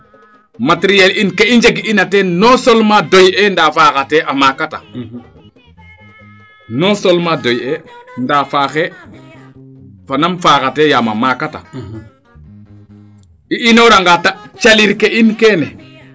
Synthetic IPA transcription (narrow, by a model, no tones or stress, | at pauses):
matɾijelinkeiɲd͡ʒeɡiinatenosolmadojendafakateʔamakata | nosolmadojendafaːxe | fanamfaːkatejama̰makata̰ | iʔinoɾaŋɡatat͡ʃaliɾkeʔinkeːnɛ